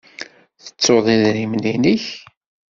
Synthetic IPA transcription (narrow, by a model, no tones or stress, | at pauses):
θə̥t͡sːoðˤiðɾimniniç